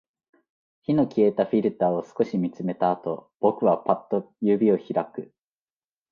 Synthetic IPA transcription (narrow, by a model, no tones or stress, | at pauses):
çino̞kʲie̞t̪aɸʲiɾɯ̟t̪aːo̞sɨ̥ko̞ɕimʲit͡sɨme̞t̪aːt̪o̞b̥o̞kɯ̟βapat̪ːo̞ | jɯ̟bʲio̞çiɾakɯ̟